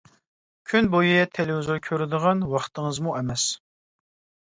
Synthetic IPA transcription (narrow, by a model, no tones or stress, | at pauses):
kʲʰynbojɨjɛt̪ʰelɪwuzoɾkʲʰøɾɪd̪ɨʁɑnwɑχt̪ʰəŋəzmuʔɛmɛs